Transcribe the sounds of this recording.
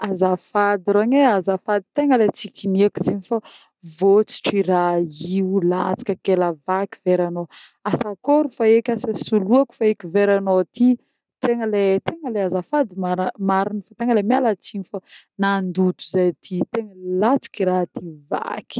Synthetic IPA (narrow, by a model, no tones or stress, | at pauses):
azafad̪iɾaɲeazafad̪i̥t̪eŋəlet͡sikiniakuzeɲifa | vot͡si̥ʈ͡ʂirailat͡si̥kʲəkelavaki̥veɾano | asakoɾufaekʲasasuluaku̥faekiveɾanot̪i | t̪eŋəlet̪eŋəleazafad̪imaɾmaɾinifat̪eŋəlemialat͡siɲifa | nand̪ut̪u̥zajt̪ʰit̪eŋəlat͡si̥kiɾaɦt̪iva̰ki̥